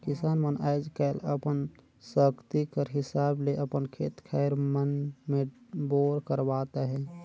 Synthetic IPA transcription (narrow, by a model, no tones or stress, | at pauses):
kɪsaːnmənaɪd͡ʒkɛləpən | səkt̪ikəɾɦɪsaːbleʔəpənkʰḛːt̪kʰaɪɾmənmẽboːɾkəɾbaːt̪aɦɛ̃